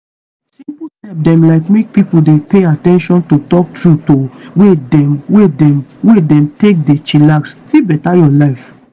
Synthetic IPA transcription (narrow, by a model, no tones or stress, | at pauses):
sĩpuhɛp̚dɛ̃mlaɪkmek̚pipodepeatɛ̃nʃɔ̃ntotɔk̚tɹutowedɛmwedɛmwedɛ̃mtek̚det͡ʃilaksfibɛtajɔlaɪf